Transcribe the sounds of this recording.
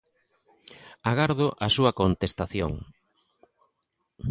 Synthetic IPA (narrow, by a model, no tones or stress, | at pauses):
aɣaɾðoʔasuɐkont̪est̪aθjo̰ŋ